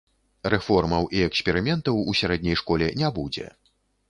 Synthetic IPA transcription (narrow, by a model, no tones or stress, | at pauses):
rɛfɔrmɐwʔiɛksʲpʲɛɾɨmʲɛnt̪ɐwusʲaɾɛd̪nʲɛjʂkɔlʲɛnʲabud͡zʲɛ̰